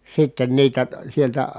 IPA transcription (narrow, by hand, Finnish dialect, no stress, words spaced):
sitːen niːtæ sieltæ